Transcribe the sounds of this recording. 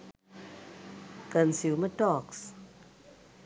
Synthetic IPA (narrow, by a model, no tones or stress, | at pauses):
kənsumətɔks